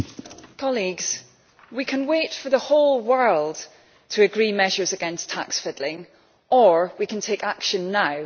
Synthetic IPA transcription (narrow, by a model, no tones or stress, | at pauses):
kʰɔlˠiɡz̥ | wikʰə̃nwetfə˞ðəholˠwɜ˞lˠd̥ | tʰəːɡɹiːmɛʒə˞zəɡɛ̃nstʰa̰ksfɪdˡlˠɪ̃ŋ | ʔə˞wikə̃ntʰekakʃə̃nːaʊ